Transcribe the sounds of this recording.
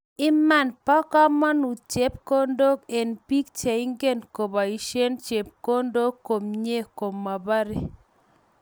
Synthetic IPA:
ɪ˦ma˦˨npɔ˦kɔ˦ma˦nu˨t͡ʃe˦p̚ko˦ndo˦ke˨npi˦k̚t͡ʃe˨i˦ŋɡe˦nko˨ba˨i˨ʃe˦nt͡ʃe˨p̚ko˦ndo˦kːo˨mɲe˦ko˨mːa˨ba˦ɾe˨˦

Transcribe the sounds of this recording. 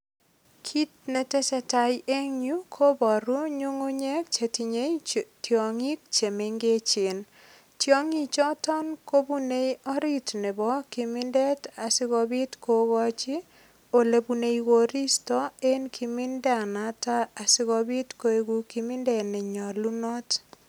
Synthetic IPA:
kʰi˦t̚nɛ˨tɛ˦sɛ˦ta˨jʔe˦ŋɲju˦kʰo˦bɔ˨ɾu˦ɲo˦ŋo˦ɲɛ˦kt͡ʃe˨ti˨ɲe˦tjo˨ŋi˦k̚t͡ʃe˨me˨ŋɡe˦t͡ʃɪ˨n | tjo˦ŋi˦t͡ʃɔ˦tɔ˦nko˦bu˦ne˦jɔ˦ɾi˦tne˨bɔ˦kɪ˨mɪ˦ndɛ˦ta˨sɪ˦ɣɔ˨bi˦tko˦ɡɔ˦t͡ʃɪ˦ | o˨le˨bu˨ne˨iɡo˨ɾi˦stɔ˦e˦nkʰi˨mɪ˦ndɛ˦a˨na˦taː˦˨sɪ˦ɡɔ˧bɪ˦tko˦e˦ɡu˨ki˨mɪ˦ndɛ˨nɛ˨ɲɔ˨lu˦nɔ˦t

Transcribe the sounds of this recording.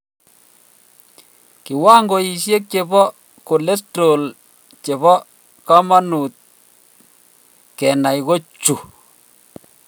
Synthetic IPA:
ki˨waː˦ŋɡo˨i˨ʃje˦k̚t͡ʃe˨βɔ˦ | ko˨le˦sto˨l | t͡ʃe˨βɔ˦ | ka˦ma˦nu˨t̪̚ | kɛ˨na˨jɣo˦t͡ʃu˨

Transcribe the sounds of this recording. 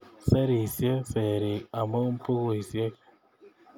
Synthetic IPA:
se˦ɾi˨sje˦fe˨ɾi˨a˨mo˦mpu˦ɣu˨i˨sje˦k

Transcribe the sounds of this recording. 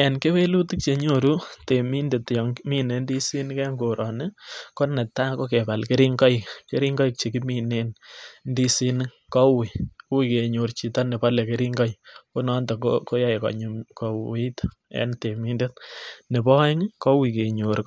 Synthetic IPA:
ɛ˨nke˦we˦lu˦ti˦k̚t͡ʃe˨ɲo˦˨ɾu˦te˨mi˦nde˨tjɔ˨ŋmi˦ne˨ndi˦si˦n˦kɛ˦ŋɡo˨ɾɔ˨nɪ˦ko˦nɛ˨ta˦ko˦ke˨pa˨lkɪ˦ɾi˦ŋkɔ˦jkke˦ɾi˦ŋɡɔ˦jk̚t͡ʃe˨ki˦mi˦ne˦nndi˦si˦n˦ | kɔ˦wi˨˦wi˨ke˨ɲo˨ɾt͡ʃi˨ta˦ne˨pɔ˦le˨ke˦ɾi˦ŋɡɔ˦jko˦nɔ˦ntɔ˨kko˦ja˦jkɔ̰˨ɲ˨mkɔ˨wi˦t | ɛ̰˨nte˨mi˦nde˦t̚ne˨bɔ˦ɪ˦ŋkɔ˦wi˨ke˨ɲo˨ɾ

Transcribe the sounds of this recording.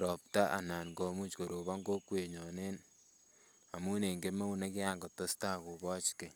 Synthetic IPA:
ɾɔ˨pta˦ʔa̰˨na˨nɡo˨mu˦t͡ʃko˨ɾo˨βa˦ŋɡo˦kwe˨ɲɔ˨ne˦n | a˨mu˦ne˨ŋɡe˦me˦u˦ne˦kɪ˦aː˦ŋɡo˨tːo˦staː˦ku˨bɔ˦t͡ʃke˨

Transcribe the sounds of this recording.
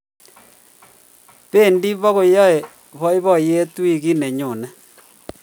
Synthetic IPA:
βeː˦˨ndi˦βo˦ɣo˨jɔ˦e˨ | βɔ˦i˦βɔ˦je˦twi˨ɣi˦ne˨ɲo˨nɛ˦

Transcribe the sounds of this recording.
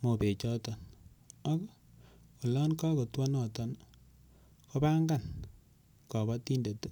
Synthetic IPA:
mo˨pe˨t͡ʃɔ˦tɔ˨nɔ˦kɔ˦ | kɔ˨lɔ˦nka˦ko˨twɔ˦nɔ˨tɔ˨n | ko˦pa˦ŋɡa˦˨n | kɔ˨ba˦ti˦nde˨tu˦

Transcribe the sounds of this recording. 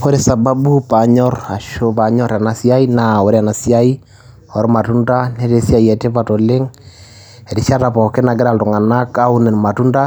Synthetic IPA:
ko˦ɾe˨sa˨ba˦bu˦pa˨ɲɔ˦ra˨ʃopa˨ɲɔ˦ɾa˨na˨sja˦i˦na˨o˨ɾe˦a˨na˨sja˦i˦ | ɔ˨ɾma˨tu˦nda˦ne˦ɾe˦sja˨iɛ˨te˦pa˨to˨le˦ŋ | ɛ˨ɾi˦ʃa˦ta˨pɔ˨ke˦na˨ɡe˦ɾa˨lto˨ŋa˨na˦ka˦u˦ne˨n˨ma˨tu˦nda˦

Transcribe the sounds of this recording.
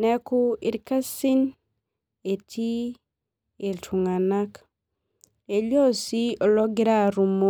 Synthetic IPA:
nɛ˦ku˦i˨ɾka˦si˦n | e˨tʰi˦ | e˨tʰu˨ŋa˨na˦k | e˨lɔ˦si˦ɔ˨lɔ˦ɡɪ˦ɾa˦ɾu˨mo˦

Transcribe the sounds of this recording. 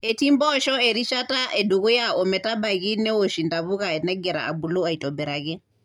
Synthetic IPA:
ɛ˨ti˦mbɔ˦ʃɔ˦ɛ˨ɾi˦ʃa˦ta˦ʔɛ˨du˨ɣu˦jaɔ˨mɛ˨ta˦ba˨ɣi˦nɛ˦wo˨ʃi˨nda˨βu˦ɣa˨ɛ˨nɛ˦ɡɛ˨ɾa̰˨a˨bu˨lɔ˦a˨i˨tɔ˨bɛ˨ɾa˨ɣɛ˦

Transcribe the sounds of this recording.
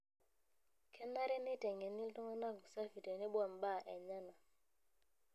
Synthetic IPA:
kʰɛ˦na˦ɾɛ˦nɪ˦tɛ˨ŋɛ˨ni˦ltɔ˦ŋɔ˦na˦˨ku˨sa˦fi˨tɛ˨nɪ˦bwa˨mba˦˨ʔɛ˨ɲa˦na˨

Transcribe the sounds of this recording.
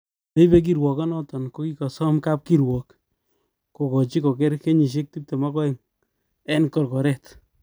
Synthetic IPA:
le˦be˦k̬i˦ɾwɔ˨kɔ˦nɔ˦tɔ˨nko˦ki˦kɔ˨sɔ˦mka˦p̚ki˦ɾwɔ˨k | ko˨kɔ˨t͡ʃi˦ko˨kɛ˦ɾke˦ɲi˨ʃ̬e˦k̚ti˦p̚te˨ma˦kɔ˦iŋ | ɛ˦nkɔ˨ɾkɔ˨ɾɛt

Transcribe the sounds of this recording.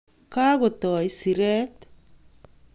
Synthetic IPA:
ka˦ɣo˨tɔ˨i˦si˨ɾɛ˦t̪

